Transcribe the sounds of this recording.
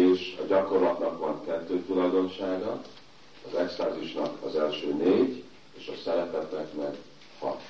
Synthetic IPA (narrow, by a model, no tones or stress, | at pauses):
eːʃɒɟɒko̞rlɒt̪nɒkʋɒŋkɛt̪ːøːt̪ulɒjd̪o̞nʃaːɡɒ | ɒzɛkst̪aːzuʃnɒkɒ̰zɛlʃøːneːɟ | eːʃɒsɛɾɛt̪ɛt̪ːɛkmɛɡ | hɒ̰t̪